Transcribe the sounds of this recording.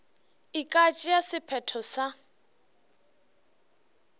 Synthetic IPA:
ikʼat͡ʃʼijasɪpʰɛtʰɔsa

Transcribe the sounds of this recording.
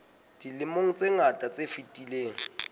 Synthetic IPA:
d̥ilɪmoŋ̩t͡sʼeŋatʼat͡sʼefitʼileːŋ̩

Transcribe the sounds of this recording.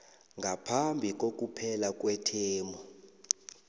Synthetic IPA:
ŋɡʱapʰambʱik̬ʼok̬ʼupʰɛlak̬ʼwɛtʰeːmʱɔ

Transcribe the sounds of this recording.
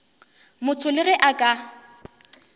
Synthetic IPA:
mʊt͡sʰʊlɪɣɪʔakʼa

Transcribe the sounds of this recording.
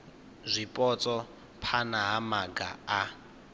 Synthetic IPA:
zʷipʼɔt͡sʼɔ | pʰanaɦamaɡa̰a

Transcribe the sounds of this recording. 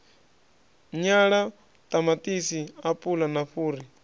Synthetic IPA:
ɲaɺa | t̪ʼamatʼisiapʼulanaɸuːɾi

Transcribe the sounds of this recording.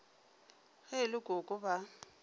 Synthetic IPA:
ɣɛlɪɡʼʊkʼʊba

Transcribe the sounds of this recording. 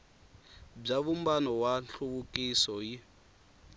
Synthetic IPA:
b͡ʐaβumbanɔwanɬʰuβukʼisɔji

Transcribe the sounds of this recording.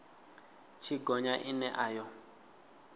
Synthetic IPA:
t͡ʃʰiɡɔɲaʔinɛʔaːjɔ

